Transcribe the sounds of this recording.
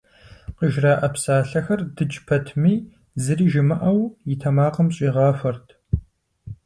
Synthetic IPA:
qəʒraːʔɐpsaːɬɐxɐrdɨd͡ʒpʰɐtʰmiː | zɨriːʒɪmɨʔɐwjɪtʰɐmaːqɐmɕʼiːʁɑːfɐrtʰ

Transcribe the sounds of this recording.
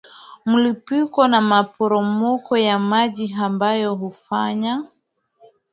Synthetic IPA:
mulipikɔnamapɔɾɔmɔkɔjamaʄiɦambajɔɦufaɲa

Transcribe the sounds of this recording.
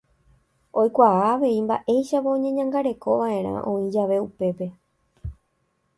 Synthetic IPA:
o̞jkʷaaːʋe̞imba̰ʔe̞jʃapaõɲẽɲãŋɡaɾe̞ko̞ʋaʔẽ̞ɾ̃ã̰ʔõ̞ĩd͡ʒaʋe̞upe̞pe̞

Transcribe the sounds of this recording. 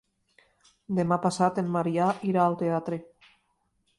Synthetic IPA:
d̪emapasat̪emːaɾiaʔiɾaːlˠt̪eat̪ɾe

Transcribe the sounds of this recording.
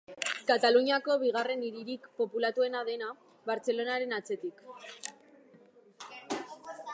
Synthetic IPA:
kat̪aluɲiako̞βiɣ̞are̞niɾiɾikpo̞pulat̪ue̞nað̞e̞na | βaɾt͡se̞lo̞naɾe̞nat͡se̞t̪ik

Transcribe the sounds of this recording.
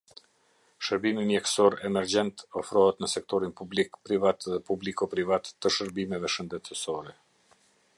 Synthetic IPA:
ʃəɾbiminɛksɔɾɛmɛɾd͡ʑɛnt̪ɔfɾɔɦɛt̪nəsɛk̚t̪ɔɾinpublikpɾivat̪ðɛpublikɔpɾivat̪ːəʃəɾbimɛvɛʃənd̪ɛt̪əsɔɾɛ

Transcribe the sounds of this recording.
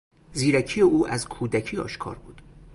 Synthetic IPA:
ziːɾæcʰijeʔuːʔæzkʰuːd̪æcʰiːɒ̰ːʃkʰɒ̰ːɾbuːd̪̥

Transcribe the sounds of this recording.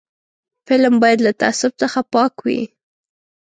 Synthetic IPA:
fɪlmbɑjad̪lat̪a̰asʊb̚t͡səxapɑkwḭ

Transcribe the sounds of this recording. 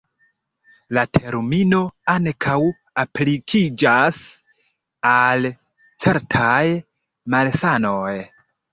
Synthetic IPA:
latʰe̞ɾmino̞aŋkʰaw | aplikʰid͡ʒas | al | t͡se̞ɾtʰaj | malsano̞j

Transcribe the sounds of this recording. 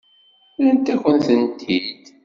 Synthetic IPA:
lænt̪æçənθənt̪id̪

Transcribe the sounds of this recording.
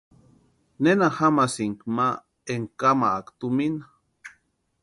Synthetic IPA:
nenahamasiŋkma | eŋkamaːkt̪umina

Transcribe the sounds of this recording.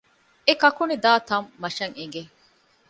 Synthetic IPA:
ekɐkunid̪aːt̪ɐmːɐʃɐŋeŋɡe

